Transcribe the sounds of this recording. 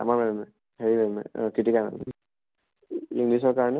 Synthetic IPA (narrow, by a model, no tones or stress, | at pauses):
a̰maɹmɛmɛ | heɹimɛmɛ̰kitikana̰m | iŋɡlisɔɹkaɹɔnɛ